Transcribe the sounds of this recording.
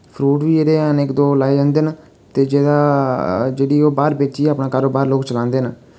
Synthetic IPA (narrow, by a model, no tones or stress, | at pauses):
pʰɾuːʈʋiːeːd̪eːanɪkd̪oːlaːiə̃nd̪eːn | t̪eːd͡ʒeːd̪aːd͡ʒeːɽiːoːbaːɾpeːt͡ʃiːaːpnaːkaːɾoːbaːɾloːkt͡ʃəlãːnd̪eːnə